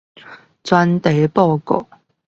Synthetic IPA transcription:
t͡swa˦nt̪e˨˦pɔ˥˧˨kɔ̰˨˩˨

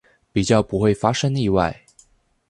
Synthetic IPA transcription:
pi˨˩t͡ɕjɑ˥˩ʊpu˧˥xwe˥˩ɪfa˥ʂɤ˥ŋi˥˧wa˥˩ɪ

